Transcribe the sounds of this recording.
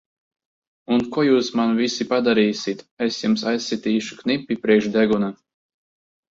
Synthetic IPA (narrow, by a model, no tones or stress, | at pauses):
unkuɔjuːsmanvisipad̪aɾiːsʲit̪esjumsajsʲːit̪iːʃu̥knipʲːipɾiɛkʃd̪ɛɡuna